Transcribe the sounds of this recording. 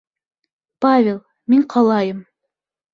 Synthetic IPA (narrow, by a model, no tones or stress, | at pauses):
pavʲelˠ | miɴqʰɑlˠɑjɤm